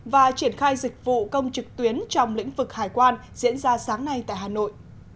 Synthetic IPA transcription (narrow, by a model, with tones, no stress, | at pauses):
vaː˨˩t͡ɕi˧˩ənxaː˧jzï˨˩k̟̚vṵ˧˨kə˧wŋ͡mt͡ɕɨ˨˩k̚t̪wi˨˦ənt͡ɕɔ˧wŋ͡mlḭ̈˧˥ŋ̟vɨ˨˩k̚haː˨˩jkwaː˧nzḭ˧˥ənzaː˧saː˨˦ŋna˧jt̪a̰ː˧˨jɦaː˨˩no̰˧˨jʔ